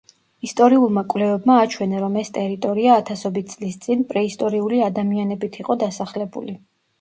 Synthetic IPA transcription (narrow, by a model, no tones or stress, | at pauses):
ist̪ʼɔɾiulˠmakʼwvlɛvɛbmaːt͡ʃʰwɛnaɾɔmɛst̪ʼɛɾit̪ʼɔɾiaːt̪ʰasɔbit̪̚t̪sʼlist̪sʼinpʼɾɛist̪ʼɔɾiuliad̪amianɛbit̪ʰiqʼɔd̪asaχlɛbṵli